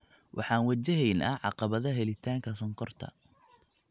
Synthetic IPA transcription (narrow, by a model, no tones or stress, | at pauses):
wʔɑ̰ħɑːnwɐt͡ʃɛɦɛjnʔɐ̰ʕɑ̰qɑβɐðɐɦɛlɪt̪ʰaːŋkʰɐsɐŋqʰɔrt̪ʰɐ̰